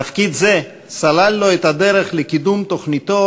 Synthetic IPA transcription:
afkid̪ze | salalːoet̪ad̪eʁeχlekid̪umt̪oχnit̪o

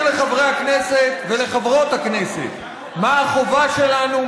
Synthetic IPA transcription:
leχavʁejakneset̪ve̞le̞χavʁo̞t̪haknesḛt̪ | maːχo̞vaʃe̞lanu

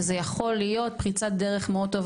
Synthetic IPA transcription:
zejaχo̞lːijo̞t̚pχit͡sat̚d̪eʁeχmeod̚t̪ːov

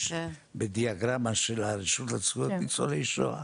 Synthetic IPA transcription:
ʃ | bed̪iaɡʁamaʃelaɾiʃut̪at͡svujotit͡soleiʃo̰a̰

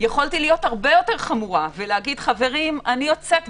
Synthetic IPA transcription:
jeχoltilijo̞thaʁbe̞jo̞te̞ʁχamuʁaveleaɡid̪χave̞ʁimaniot͡sek

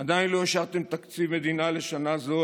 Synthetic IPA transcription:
ad̪ainlo̞iʃaʁt̪emt̪akt͡sivme̞d̪inale̞ʃanazo̞

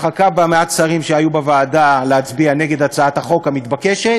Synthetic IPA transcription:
χakabameatsaʁimʃeajubevaːdaleat͡sbianeɡe̞d̪at͡saat̪haχo̞khamit̪bakeʃe

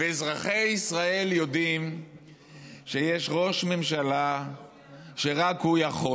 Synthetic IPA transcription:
vezʁaχe̞isʁae̞ljo̞d̪im | ʃejeʃʁo̞ʃmemʃala | ʃe̞ʁakhujaχo

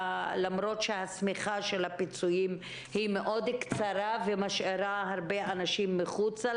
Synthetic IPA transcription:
lamɾo̞tʃehasmiχaʃe̞lhapit͡sujim | himeʔo̞d̪kt͡saɾavemaʃeɾaɦaʁbeanaʃimːeχut͡sa

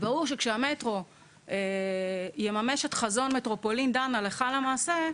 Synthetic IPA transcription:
baʁuʁʃekʃeame̞tʁo̞ | e | jemame̞ʃe̞tχazo̞nmetʁo̞po̞limdanaleχalamaːse̞

